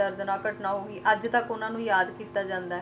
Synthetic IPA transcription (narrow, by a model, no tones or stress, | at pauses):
əɾd̪naːkəʈnaːɦoːɡiːʔəd͡ʒt̪əkʊnãːnũːjaːd̪kiːt̪ːaːd͡ʒãːnd̪aːɦ